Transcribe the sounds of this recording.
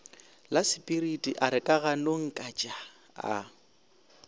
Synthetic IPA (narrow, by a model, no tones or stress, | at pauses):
lasipʼiɾitʼiʔaɾɪkʼaɣanoŋ̩kʼat͡ʃʼa | a̰